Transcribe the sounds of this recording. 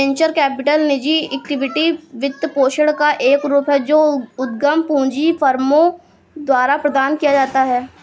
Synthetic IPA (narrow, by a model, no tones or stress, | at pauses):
ẽːɲt͡ʃəɾkɛːpɪʈəlnɪd͡ʒiɛːk̚ʈɪʋɪʈiʋɪt̪ːəpoːʃəɽkaʔeːkɾuːpɦɛd͡ʒoːʊd̪̚ɡəmpũːd͡ʒifʰəɾmõ | d̪waːɾapɾəd̪aːnkijad͡ʒaːt̪aɦɛː